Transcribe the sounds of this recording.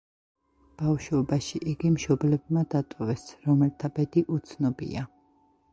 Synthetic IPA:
b̥afʃɔbaʃiʔiɡimʃɔblɛbmad̪at̪ʼɔvɛsɾɔmɛlt̪ʰabɛd̪iʔut̪sʰnɔbḭa

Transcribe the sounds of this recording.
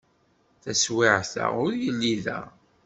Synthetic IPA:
θæswɪʕθæ̰ʊɾjəlːiðæ̰

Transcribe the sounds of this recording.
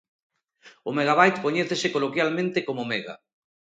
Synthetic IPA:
ʊmeɣaβajt̪koɲɛθesekolokjalmẽnt̪ekomomeɣa̰

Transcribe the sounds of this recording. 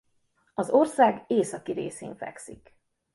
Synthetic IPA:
ɒzo̞rsaːɡeːsɒkiɾḛːsḛːɱfɛ̰ksik

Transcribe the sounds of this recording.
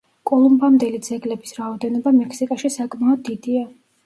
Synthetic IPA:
kʼɔlˠumbamd̪ɛlid̪zɛɡlɛbisɾaɔd̪ɛnɔbamɛkʰsikʼaʃisakʼmaɔd̪ːid̪ia

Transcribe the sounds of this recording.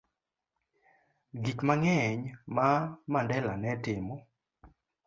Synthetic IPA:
ɡikmaŋɛɲmamandɛlanɛtɪmɔ

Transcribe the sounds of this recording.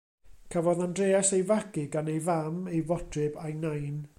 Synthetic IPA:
kʰavɔðandreːasejvaɡɨɡanejvamejvɔtʰrɨbajnajn

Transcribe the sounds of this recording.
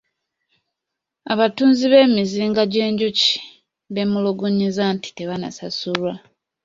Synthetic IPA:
a̰βatuːnziβe̞ːmiziːŋɡaɟeːɲɟuci̥ | βe̞muloɡuɲizanti̥te̞βana̰sasulwa

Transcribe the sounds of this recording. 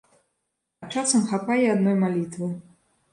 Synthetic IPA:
t͡ʂasɐmxapajɛad̪nɔjmalʲit̪vɨ

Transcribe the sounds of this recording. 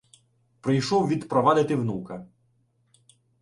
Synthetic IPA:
pɾɪjʃɔwʋʲid̪pɾɔʋɑd̪ɪt̪ɪwnukɐ

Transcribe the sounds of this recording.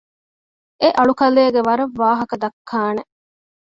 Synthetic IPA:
eʔɐɭukɐleːɡeʋɐɾɐʋːaːɦɐkɐd̪ɐkʰːaːne

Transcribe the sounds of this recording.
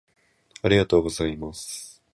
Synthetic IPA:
aɾʲiɡat̪o̞ːɡo̞zaimas

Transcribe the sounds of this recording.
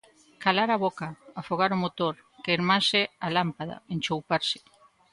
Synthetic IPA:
kalaɾaβokaːfoɣ̞aɾomot̪oɾ | keiɾmasɪalampaða̰ent͡ʃowpaɾsɪ̥

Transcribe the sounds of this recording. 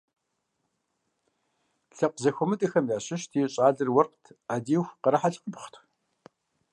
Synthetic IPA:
ɬɐqʷzɐxʷɔmɨtʼɨxɐmjaːɕɪʃtʰiːɕʼaːɮɨrwɐrqtʰaːdiːxʷqəɾɐħaɬqəbχʷtʷʰ

